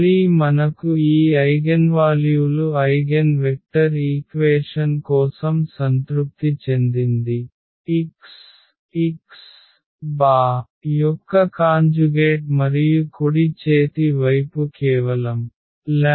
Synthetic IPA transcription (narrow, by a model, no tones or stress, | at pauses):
limɐnɐkuiːɐjɡɐnʋaːljuluɐjɡenʋek̚ʈɐɾiːkʋeːʂɐnkɔːsɐmsɐnt̪ɾup̚t̪it͡ʃe̞nd̪ind̪i | iks | is | baː | jɔkːɐkaːɲd͡ʒuɡeːʈmɐɾijukoɽit͡ʃeːt̪iʋɐjpukɛːʋɐlɐm | la